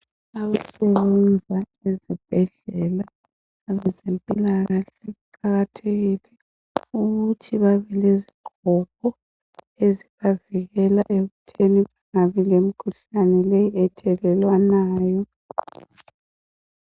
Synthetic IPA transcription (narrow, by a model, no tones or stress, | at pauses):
aβasɛβɛnd͡zʱa | ezib̥ʱɛɮɛlaː | βɛzempʼilaɣaɬɛɣuǃaɣatʰeɣilɛ | uɣutʰiβaβɛleziɡ͡ǃʱɔpʰɔ | eziβaviɣɛlaʔeɣutʰeniβaŋaβilemikʰuɬanɛlejiɛtʰɛlɛlwanaːjɔ